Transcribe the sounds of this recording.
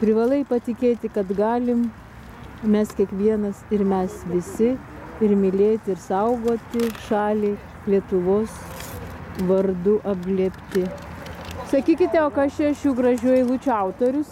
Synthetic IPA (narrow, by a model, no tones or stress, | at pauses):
pʲɾʲɪʋɑlˠɐɪpɐt̪ʲɪkʲeːt̪ʲɪkɐt̪ɡɑːlʲɪm | mʲɛskʲiɛkʋʲiɛnɐsɪrmʲɛsʋʲɪsʲɪ | ɪrmʲɪlʲeːt̪ʲɪɪrsɐʊɡoːt̪ʲɪʃɑːlʲeː | lʲiɛt̪ʊʋoːs | ʋɐrd̪ʊʔɐb̚ɡlʲiːpʲt̪ʲɪ | sɐkʲiːkʲɪt̪ʲɛoːkɐʃt͡ʃʲɛɐʃjuːɡɾɐʒʲuɔjɪlˠut͡ʃʲʊɐʊt̪oːɾʲʊs